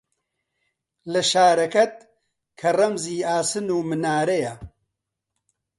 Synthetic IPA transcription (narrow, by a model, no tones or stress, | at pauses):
lɐʃaːɾɐkɐt̪̚ | kʰɐrɐmziːaːsɨnuːmɨnaːɾɐjɐ